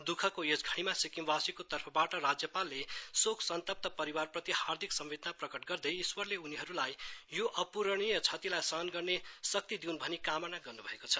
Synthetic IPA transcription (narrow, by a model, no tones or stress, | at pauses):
d̪ukʰʌkojesɡʱʌɽ̃imasikimbasikot̪ʌrpʰʌbaʈʌrad͡zjʌpalːesokʰsʌnt̪ʌp̚t̪ʌpʌɾiwarprʌt̪ihard̪ʱiksʌmːed̪naprʌkʌʈɡʌrd̪ʌjiswʌrleuniɦʌɾulajjoʔʌpuɾʌɽ̃ijʌt͡sʰʌt̪ilajsʌɦʌnɡʌrnesʌk̚t̪id̪iunbʱʌnikamʌnaɡʌrnubʱʌekot͡sʰʌ̥